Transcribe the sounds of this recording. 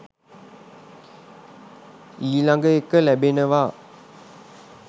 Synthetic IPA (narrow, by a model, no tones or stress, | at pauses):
iːlaŋɡəjekːəlæbenɐʋaː